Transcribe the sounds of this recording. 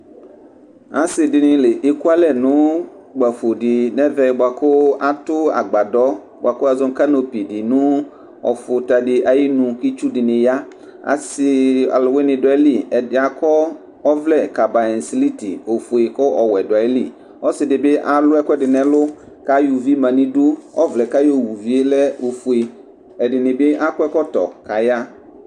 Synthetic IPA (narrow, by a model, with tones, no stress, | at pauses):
a˨˦sɪ˨dɪ˨nɪ̃˨˦le˨ʔe˨ku˦a˦lɛ˨nʊ̃˦ | ɡ͡ba˨fʊ˨dɪ˨nɛ̃˦vɛ˨ba˨kʰʊ˦a˨tʊ˦a̰˨ɡ͡ba˨dɔ˦ | ba˨kʊ˦a˨zʊ˦ŋ˦ka˦no˨pi˨dɪ˨nʊ̃˦ | ɔ̰˨fʊ˨ta˨dɪ˨ʔa˨ji˦nũ˨ki˦t͡ʃu˦dɪ˨nɪ̃˨ja˦ | a̰˨sɪ˦a̰˨lʊ˨wɪ˦nɪ̃˨dɔ˨a˨˦li˨ɛ˨dɪ˨a˨kʰɔ˦ | ɔ˦vlɛ˦˨ka˨ba˨ɛ̃˨n˨si˦li˦tḭ˨o˨fu˨e˨kɔ˦ʔɔ˨wɛ˨dɔ˨a˨ɛ˦li˦ | ɔ˦sɪ˨dɪ˨be˦ʔa˨lʊ˦ɛ˦kɔ˦ɛ˦dɪ˨nɛ̃˨lʊ˦ | ka˦ju˨vi˦mã˨nĩ˦do˦ɔ̰˦vlɛ˨ka˦jo˦wu˨vi˦e˦lɛ˦o˨fu˨e˨ | ɛ˨dɪ˨nɪ̃˨be˦ʔa˦kʊ˦ɛ˦kɔ˦t̪ɔ̰˨ka˨ja˦